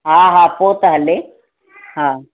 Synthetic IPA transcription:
ɦaːɦãpoːt̪əɦəle | ɦã

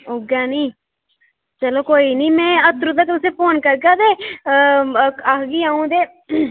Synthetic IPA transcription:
oːɡaːniː | t͡ʃəloːkoːiːniːmɛ̃ːət̪ɾũd̪akt̪ʊsẽːpʰoːnkəɾɡaːd̪eː | akɡiːaːũːd̪eː

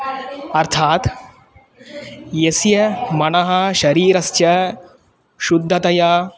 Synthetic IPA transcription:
ɐɾt̪ʰaːt̪ | jɐsjɐmɐnɐɦɐʃɐɾiːɾɐst͡ʃɐ | ʃud̪ʱːɐt̪ɐjɐ

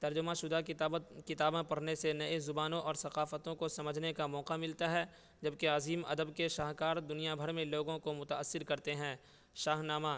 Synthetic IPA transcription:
t̪ɐɾd͡ʒʊmaʃʊd̪akɪt̪aːbãpɐɽnesenɐezʊbaːnõʔɔːɾsɐqaːfət̪õkosɐməd͡ʒʱnekamɔːqamɪlt̪aɦɛː | d͡ʒɐbkeaːziːmɐ̰d̪əbkeʃaːɦkaːɾd̪ʊnijabʱɐɾmẽloːɡõkomʊt̪aəsːɪɾkɐɾt̪eɦɛ̃ː | ʃaːɦnaːma

